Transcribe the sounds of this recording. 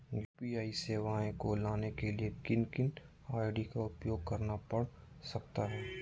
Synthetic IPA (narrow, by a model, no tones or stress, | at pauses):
juːpiaːiseːʋaẽkolaːnekeliekɪnkɪn | aːɪɖikaʊpjoːɡ̚kɐɾnapɐɽsɐk̚t̪aɦɛː